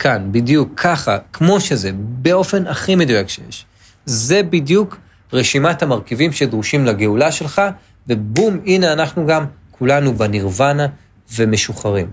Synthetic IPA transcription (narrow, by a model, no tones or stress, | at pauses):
kʰanbidjukʰːaχakmo̞ʃeze̞beo̞fe̞naχimed̪ujakʃejḛʃ | zebidjuk | ʁeʃimathamaʁkivimʃe̞dʁuʃimlaɡeulaʃe̞lχa | vebumine̞anaχnuɡamkʰulanubeniʁvana | ve̞me̞ʃuχaʁim